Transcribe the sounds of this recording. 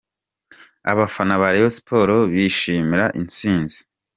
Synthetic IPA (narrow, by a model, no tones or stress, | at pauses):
a̰βafanaβaɾejosi̥pʰo̞ɾoβiʃiːmiɾaʔint͡siːnzi̥